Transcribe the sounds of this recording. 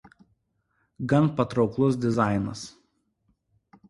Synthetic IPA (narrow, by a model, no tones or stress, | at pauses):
ɡɐnpɐt̪ɾɒʊklˠʊs̬d̪ʲɪzɑˑɪnɐs